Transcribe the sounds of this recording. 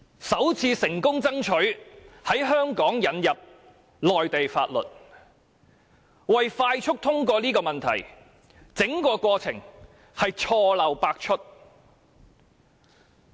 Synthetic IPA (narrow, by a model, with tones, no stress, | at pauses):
sɐ˨˥wt͡sʰiː˧sɪ˨˩ŋkʊ˥ŋt͡sɐ˥ŋt͡ʃʰɵ˨˥ɥhɐ˨˥jɦœː˥ŋkɔː˨˥ŋjɐ˨˥njɐ˨p̚ | lɔː˨jt̪e˨jfaː˧t̚lɵ̰˨t̚ | wɐ˨jfaː˧jt͡ʃʰʊ˥k̚t̪ʰʊ˥ŋk̬ʷɔː˧liː˥kɔː˧mɐ˨nt̪ʰɐ̰˨˩j | t͡sɪ˨˥ŋkɔː˧kʷwɔː˧t͡sʰɪ̰˨˩ŋ | hɐ˨jt͡ʃʰɔː˧lɐ˨wpaː˧k̚t͡ʃʰɵ˥t̚